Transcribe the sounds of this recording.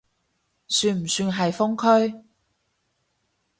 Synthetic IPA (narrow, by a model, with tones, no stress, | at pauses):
syː˧nm̩˨˩syː˧nɦɐ˨jfʊ˥ŋkʰɵ˥ɥ